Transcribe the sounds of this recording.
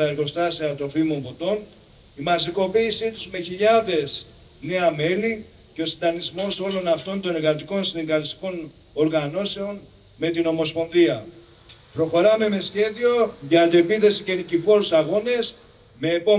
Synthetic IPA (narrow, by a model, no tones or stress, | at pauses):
t̪ɐe̞ɾɣo̞st̪ɐsiɐt̪ɾo̞fimo̞mbo̞t̪o̞n | imɐsiko̞piːsit̪uzme̞çiʎɐðe̞s | ne̞ɐme̞li | ce̞o̞sind̪ɐnizmo̞so̞lo̞nɐft̪o̞nd̪oneɾɣɐt̪iko̞nsinɡɐlist̪i̥ko̞n | o̞ɾɣɐno̞se̞o̞n | me̞t̪ino̞mo̞spo̞nðiɐ | pɾo̞xo̞ɾɐme̞me̞sçe̞ðio̞ʝɐd̪epiθe̞sice̞ɾicifo̞ɾusɐɣo̞ne̞s | me̞ːpo